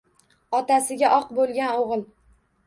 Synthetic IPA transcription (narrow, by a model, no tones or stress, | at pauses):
ɒt̪asɪɡʲaʔɒqbolˠɡʲanoʁɨlˠ